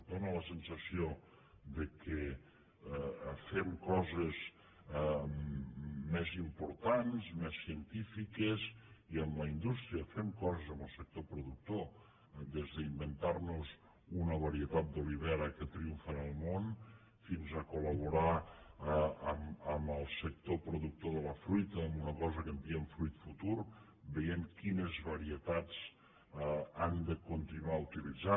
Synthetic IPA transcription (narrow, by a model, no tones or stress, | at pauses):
d̪onələsənsəsio | d̪əkʰə | femkɔzəz | mɛzimpuɾt̪anzmɛsːiənt̪ifikəziəmləind̪ust̪ɾiəfemkɔzəzəmbəlˠsək̚t̪opɾuðuk̚t̪o | d̪ezðəimbənt̪arnuz | unəβ̞əɾiət̪at̪̚d̪oliβɛɾəkət̪ɾiuɱfənəlˠmon | finzəkuləβ̞uɾa | əməməlˠsək̚t̪opɾuðuk̚t̪oðələfɾujt̪əːmunəkɔzəkənt̪eəɱfɾujt̪fut̪uɾ | bəjemkinəzβəɾiət̪at͡s | and̪əkunt̪inuaut̪ilid͡za